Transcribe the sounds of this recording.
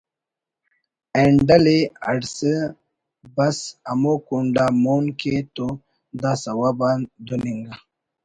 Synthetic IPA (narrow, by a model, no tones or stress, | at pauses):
eɳɖalea̰ɽsə | bɐsamokuɳɖamonket̪o | d̪asawaband̪uniŋɡa